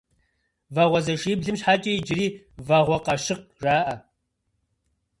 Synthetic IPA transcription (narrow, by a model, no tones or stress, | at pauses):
vaʁʷɔzɐʃiːbɮɨmɕħaːt͡ʃʼɐjd͡ʒɪriː | vaʁʷɔqɐʃɪq̚raːʔɐ